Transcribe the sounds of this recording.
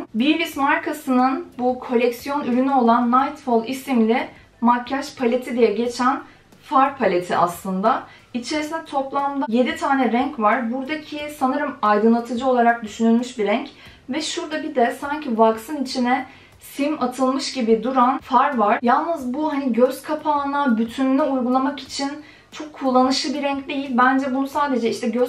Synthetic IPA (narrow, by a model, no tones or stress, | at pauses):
biɾismaɾkʰasɯnɯnbukʰo̞lʲɛcsijo̞nyɾynyo̞lˠanːajt̪folˠisimlʲɪ | macʰaʃpʰalʲet̪ʰid̪ijɛɟe̞t͡ʃʰæn | faɾpʰalʲe̞t̪ʰiʔa̰slˠɯnd̪a | it͡ʃʰe̞ɾisinɛt̪ʰo̞plˠamd̪aje̞d̪it̪ʰaːnɛɾɛɲcvaɾbuɾd̪acʰisanɯɾɯmajd̪ɯnlˠat̪ʰɯd͡ʒɯo̞lˠaɾak̚d̪yʃynylʲmyʃbiɾɛɲc | vɛʃuɾd̪abid̪ɛsaɲcʰivaksɯnit͡ʃʰinɛ | simat̪ʰɯlˠmɯʃɟibid̪uɾanfaɾvaɾ̥jalˠnɯzbuɦaniɟøz̥kʰapʰaːnabyt̪ʰynlʲɛujɡulˠamaki̥t͡ʃʰin | t͡ʃʰo̞kʰːulˠːanɯʃlˠɯbiɾɛɲcd̪e̞jilʲbænd͡ʒɛbunusaːd̪e̞d͡ʒɛiʃt̪ʰɛɟø